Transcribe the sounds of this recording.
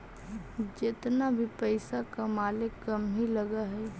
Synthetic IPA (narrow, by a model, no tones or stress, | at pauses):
d͡ʒɪt̪nabʱipəɪsakamaːlɪkːɐmɦiləɡaɦɛ